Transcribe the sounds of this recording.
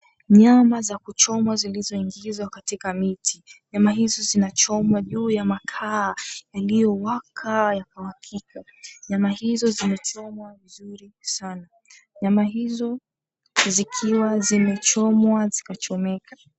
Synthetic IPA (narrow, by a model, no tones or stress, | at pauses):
ɲamazakut͡ʃɔmwazilizɔiŋɡizwakatikamitʰiɲamaɦizɔzinat͡ʃɔmwaʄuːjamakʰaːjalijɔwakʰajakawakʰika | ɲamahizɔzimɛt͡ʃɔmwavizuɾisana | ɲamaɦizɔ | zikʰiwazimɛt͡ʃɔmwazikat͡ʃɔmɛka